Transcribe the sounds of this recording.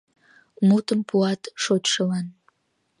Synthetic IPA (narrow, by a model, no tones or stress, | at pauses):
mut̪əmpuɑt̪ʃot̪ʃəlɑn